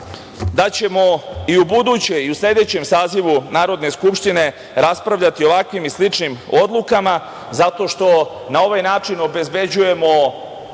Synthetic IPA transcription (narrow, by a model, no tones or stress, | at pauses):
d̪at͡ɕe̞mo̞iubud̪ut͡ɕe̞jiusʎʲe̞d̪e̞t͡ɕe̞msaːziʋunaːɾo̞d̪ne̞skupʃt̪ine̞ | ɾaspɾaʋʎat̪io̞ʋakʋimislit͡ʂnimo̞d̪lˠukama | zat̪o̞ʃt̪o̞ | nao̞ʋajnaːt͡ʃino̞be̞zbe̞d͡ʑuje̞mo̞